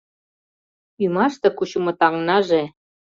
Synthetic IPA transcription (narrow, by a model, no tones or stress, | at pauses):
ymɑʃt̪ɤ̆kuɕŭmŏt̪ɑŋnɑʒe